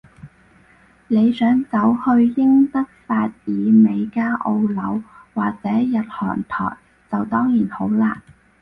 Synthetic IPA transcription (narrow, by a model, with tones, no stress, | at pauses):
ne˨˧jsœː˨˥ŋt͡sɐ˨˥whɵ˧ɥjɪ˥ŋt̪ɐ˥k̚faː˧t̚jiː˨˧me˨˧jkaː˥ʔo˧wlɐ˨˧wwaː˨k̚t͡sɛː˨˥jɐ˨t̚hɔ̰ː˨˩ŋt̪ʰɔ̰ː˨˩j | t͡sɐ˨wt̪ɔː˥ŋjiː˨˩nho˨˥wlaː˨˧˩n